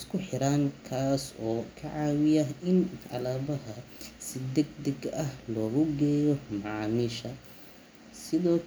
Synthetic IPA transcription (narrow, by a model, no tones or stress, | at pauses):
skʰʊħɪɾaːŋkʰaːsɔːkʰɐʕaːwɪjɐɦɪnʔɑ̰laːβɐɦɐsɪd̪ɛɡd̪ɛɡɐhlɔːɣʊɡɛːjɔmɑʕɑːmiːʃɐ | sɪðɔː